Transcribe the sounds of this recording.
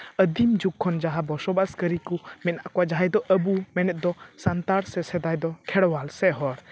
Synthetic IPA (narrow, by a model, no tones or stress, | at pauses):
əd̪imd͡ʒuk̚kʰːɔnd͡ʒaɦabɔsɔbaskəɾikumɛnaʔkɔad͡ʒaɦɛjd̪ɔʔəbumɛnɛt̪̚ˀd̪ɔsant̪aɽsɛsɛd̪ajd̪ɔkʰɛɽwalsɛɦɔɽ